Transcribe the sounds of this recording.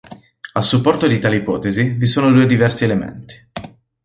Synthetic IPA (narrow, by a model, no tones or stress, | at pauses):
asːupːɔrt̪od̪it̪aːleipɔːt̪ezivisoːnod̪uːed̪ivɛrsielemḛnt̪i̥